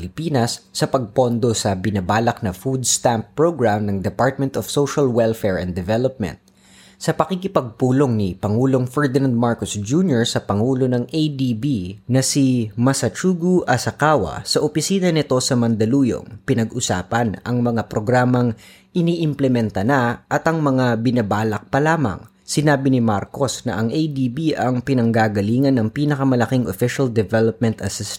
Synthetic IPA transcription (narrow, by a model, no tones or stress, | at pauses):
lɪpiːnɐsːɐpɐɡ̚po̞nd̪o̞sɐbɪnɐbaːlɐk̚nɐfud̪̚st̪ampːɹoɡɹamnɐŋd̪ɛpaɹt̪̚mɛnt̪ofsowʃɐlwɛlfɛɹɛ̰̃nd̪ɛvɛlop̚mɛ̰nt̪̚ | sɐpɐkikɪpɐɡ̚puːlo̞ŋnipɐŋuːlo̞ŋfɛɹd̪ɪnand̪̚maɹkosd͡ʒunjoɹsɐpɐŋuːlo̞nɐŋejd̪ibinɐsimɐsɐt͡ʃuːɡuʔɐsɐkaːwɐ̰sɐʔopɪsiːnɐnɪt̪o̞sɐmɐnd̪ɐluːjo̰ŋpɪnɐɡʔʊsa̰ːpɐnɐ̰ŋmɐŋapɾo̞ɡɾaːmɐŋ | ʔɪniːʔɪmplɛmɛnt̪ɐnaʔɐt̪ɐŋmɐŋabɪnɐbaːlɐk̚pɐlaːmɐ̰ŋ | sɪnaːbɪnɪmaɾko̞snɐʔɐŋʔejd̪iːbiʔɐŋpɪnɐŋɡaːɡɐliːŋɐnːɐŋpiːnɐkɐmɐlɐkiŋʔofɪʃɐld̪ɛvɛlop̚mɛnt̪ɐsɪst̪